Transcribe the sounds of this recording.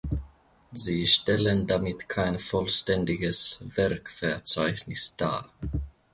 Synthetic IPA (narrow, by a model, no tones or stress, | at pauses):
ziːʃtɛləndamɪtkʰaɪnfɔlʃtɛndɪɡəsvɛɐkfɛɐt͡saɪçnɪsd̥a̰ː